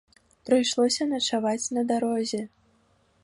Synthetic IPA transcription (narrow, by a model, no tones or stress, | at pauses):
pɾɨjʂlˠɔsʲɐnɐt͡ʂavat͡sʲnɐd̪aɾɔzʲɛ